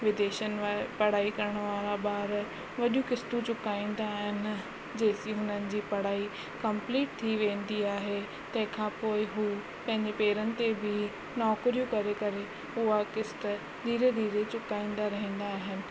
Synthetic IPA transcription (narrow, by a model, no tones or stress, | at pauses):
ʋɪd̪eːʃənɪ̆apɐɽ̤aːikɐɾəɽ̃ʋaːɾaɓaːɾ | ʋɐɗijũkɪst̪ũt͡ɕʊkaːĩːnd̪aːɦɪnɪ̆ | d͡ʑeːsiɦʊnənɪ̆d͡ʑiːpɐɽ̤aːi | kɐ̃mpliːʈ̚t̪ʰiʋẽːnd̪iaːɦe | t̪ɐ̃ɦɪ̃kʰãːpoːɪɦuː | pɐ̃ɦɪ̃ɲd͡ʑepeːɾənɪ̆t̪ebɪ | nɔːkɾijũkɐɾekɐɾe | ʊɦakɪsʈə | d̪ʱiːɾed̪ʱiːɾet͡ɕʊkaːĩːn̆d̪aɾɐɦĩːn̆d̪aːɦɪnɪ̆